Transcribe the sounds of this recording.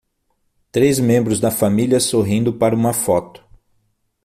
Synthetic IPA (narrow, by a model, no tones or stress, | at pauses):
t̪ɾezmẽmbɾʊzd̪ɐfamiljɐsoɦĩnd̪ʊpaɾɐũmɐfɔt̪ʊ̥